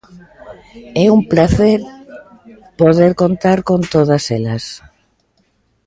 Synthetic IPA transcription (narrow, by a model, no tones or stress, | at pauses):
ɛumplaθeɾ | poð̞eɾkont̪aɾkont̪oðaselas